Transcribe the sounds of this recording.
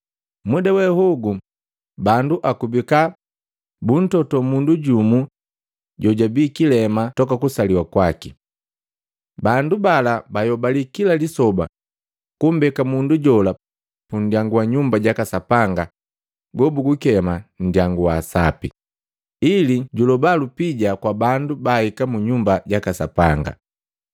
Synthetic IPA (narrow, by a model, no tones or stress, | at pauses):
mwudawɛhuɡu | banduʔakubika | bun̩tɔtɔmunduɟumu | ɟɔɟabiːkilɛmatɔkakusaliwakwaki | bandubalabajɔbalikilalisɔba̰ | kum̩bɛkamunduɟɔla | pun̩djaŋɡuwaɲumbaɟakasapaŋɡa | ɡɔbuɡukɛman̩djaŋɡuwaːsapḭ | iliɟulɔbalupiɟakwabandubahikamuɲumbaɟakasapaŋɡa̰